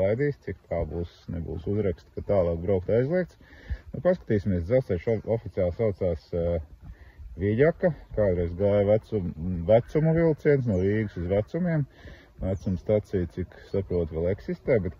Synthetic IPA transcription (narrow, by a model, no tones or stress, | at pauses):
ajd̪iːst̪sikt̪ʰaːbuːsnɛbṵːsuzɾɛkst̪kat̪aːlˠɑːkbɾaʊk̚t̪ajzlˠiɛk̚t̪nupaskḁt̪iːsʲimiɛsd̪zaʊst̪ɛʃɔfit̪ʲijaːlˠsawt̪saːs | ʋiʎakakaːd̪ɾɛjzɡaːjʋæt̪sumvæt̪sumuʋilˠt̪siɛnsnuɔviːɡusuzʋæt̪sumʲiɛm | ʋæt̪sumst̪at̪sijt̪iksapɾuɔt̪ʋɛlˠɛksist̪ɛːbɛt̪